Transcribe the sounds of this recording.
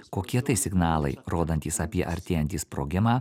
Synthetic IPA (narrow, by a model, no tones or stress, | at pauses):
koːkʲiɛt̪ɐɪsʲɪɡnɑːlˠɐ̰ɪɾoːd̪ɐnʲt̪ʲiːsɐpʲiɛʔɐɾʲt̪ʲeːjɛnʲt̪ʲiːspɾo̰ːɡʲɪmɑː